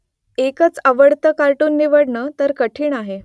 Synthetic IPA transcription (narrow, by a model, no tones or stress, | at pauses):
ekət͡səʋəɽt̪əkaɾʈuːnːiʋəɽɳət̪əɾkəʈʰiːɳaɦe